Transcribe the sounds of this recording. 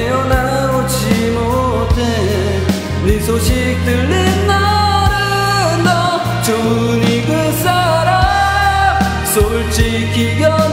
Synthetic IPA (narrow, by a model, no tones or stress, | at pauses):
ejʌna | ɾot͡ɕʰi | mo | tʰe | isʰoɕʰik̚t̪ɯɭːinːaɾɯ | ndʌ | t͡ɕo | niɡɯ | s͈aɾa | sʰoɭt͡ɕi | kːiɡjʌ